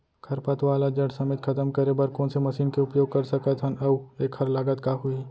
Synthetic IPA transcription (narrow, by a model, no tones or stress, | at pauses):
kʰɐɾpət̪ʋaːlad͡ʒɐɽsɐmeːt̪kʰɐt̪əmkɐɾebɐɾkõːnsemɐʃiːnkeoʊpjoːɡ̚kɐɾsɐkət̪ɦɐnɐʋeːkʰːɐɾlaːɡət̪kaɦui